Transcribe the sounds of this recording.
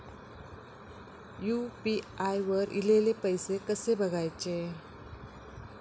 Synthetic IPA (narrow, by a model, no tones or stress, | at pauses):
jupi | ajʋəɾḭlelepəjsekəsebʱəɡʱajt͡ɕe